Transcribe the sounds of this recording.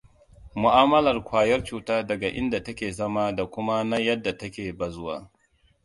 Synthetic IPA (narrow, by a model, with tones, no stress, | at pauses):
mʊ˨ʔaː˦mɐ˦lɐ˨rkʷaː˨jɐ˦rt͡ʃuː˨taː˦dɐ˨ɡa˨ʔɪ˦nda˨tɐ˦kʲeː˨zɐ˦maː˦da˨kʷʊ˦ma˦na˦jɐ˦dːa˨tɐ˦kʲeː˨bɐ˨zʊ˦wa̰ː˦